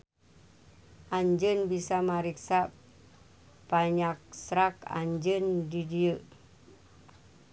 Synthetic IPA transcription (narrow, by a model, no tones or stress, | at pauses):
ʔaɲd͡ʒənbisamaɾiksa | b̥aɲak̚sɾaka̰ɲd͡ʒəndidiə